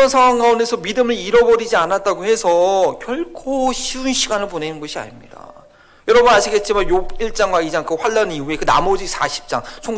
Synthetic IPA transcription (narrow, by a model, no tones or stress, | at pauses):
ʌnsʰaŋwaŋɡaundesʰʌmidɯmɯɭiɾʌbʌɾid͡ʑianat̚t͈aɡohe̞sʰʌkjʌɭkʰoɕʰiunɕʰiɡanɯɭpone̞nɯnɡʌɕʰia̰ɲimɲida̰ | jʌɾʌbʌnaɕʰiɡe̞t̚t͡ɕ͈imanjobiɭt͡ɕ͈aŋɡwaid͡ʑaŋkɯɸwaɭːʌniue̞kɯna̰mʌd͡ʑisʰaɕʰi̥p̚t͡ɕ͈a̰ŋt͡ɕʰo